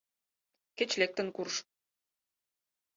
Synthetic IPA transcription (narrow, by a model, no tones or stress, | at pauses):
kĕt͡ɕlek̚t̪ɘ̆nkurʃ